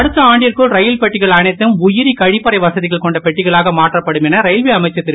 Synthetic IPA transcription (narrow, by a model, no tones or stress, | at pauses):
ɐɽɯt̪ːɐaːɳɖɪjɐrkɯɭɾɐjɪlpɛʈːɪɣɐɭɐnɐɪt̪ːɯmʊjɪɾikɐɻɪpːɐɾɐɪʋɐsɐðɪɣɐɭkɔɳɖɐpɛʈːɪɣɐɭaːɣɐmaːʈrɐpːɐɽɯmɛnɐɾɐjɪlʋiɐmɐɪt͡ʃːɐt̪ːɪɾ